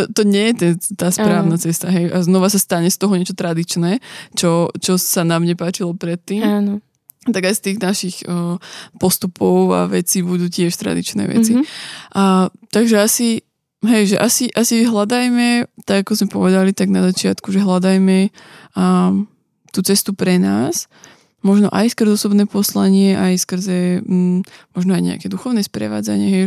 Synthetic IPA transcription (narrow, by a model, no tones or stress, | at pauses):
ɔt̪ɔɲɪɛjɛt̪ɛnt̪aːspɾaːʊnat͡sɛst̪aɦɛjaznɔʋasast̪aɲɛst̪ɔɦɔɲɪɛt͡ʃɔt̪ɾad̪it͡ʃnɛːt͡ʃɔt͡ʃɔsanamɲɛpaːt͡ʃilɔpɾɛt̪ːiːman | t̪aɡajst̪iːɣnaʃix | pɔst̪upʰɔʊa̰ʋɛt͡sibud̪uːcɪɛʃt̪ɾa̰d̪ḭt͡ʃnɛ̰ːʋɛ̰t͡siʔat̪aɡʒɛasi | ɦɛjʒɛʔasiʔasiɦlad̪ajmɛt̪aɡakɔzmɛpɔʋɛd̪alit̪aɡnazat͡ʃɪat̪kuʒɛɦlad̪ajmɛ | t̪uːt͡sɛst̪upɾɛnaːs | mɔʒnɔ̰ʔajskr̩zɔsɔbnɛːpɔslaɲɪɛʔajskr̩zɛ | mɔʒnɔajɲɛ̰a̰kɛd̪uxɔʊnɛːspɾɛ̰ʋa̰ːd͡za̰ɲɪɛɦɛj